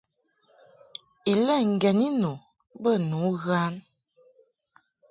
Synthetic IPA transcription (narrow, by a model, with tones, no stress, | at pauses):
i˨lɛ˦˨ŋ̩˨ɡɛ˨ni˦nu˨ | bə˦˨nu˨˦ɣa˦n